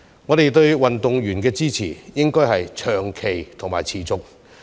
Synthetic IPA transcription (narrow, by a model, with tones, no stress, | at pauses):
ŋɔː˨˧ɾe˨jt̪ɵ˧ɥwɐ˨nt̪ʊ˨ŋɥyː˨˩nkɛː˧t͡siː˥t͡sʰḭː˨˩jɪ˥ŋkɔː˥jhɐ˨jt͡ʃʰœː˨˩ŋkʰe˨˩jt̪ʰʊ˨˩ŋmaː˨˩jt͡sʰiː˨˩t͡sʊ˨k̚